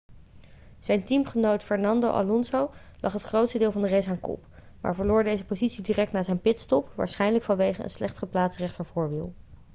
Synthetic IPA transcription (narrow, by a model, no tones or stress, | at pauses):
z̥ɛjntimχənowtfɛɹnɑndowʔɑ̰lɔnsow | lʔɑχɦətχrowtstədɪːlˠvɑndərejsaːŋkɔ̰p | ma̰ːɹvəɹlʊːɹdejzəpozitsidirɛk̚tnaːzɛjnpɪtstɔpʋa̰ːɹsχɛjnələkfɑnʋejχəə̰nslɛχtχəplaːtsrɛχtəɹvʊːɹʋilˠ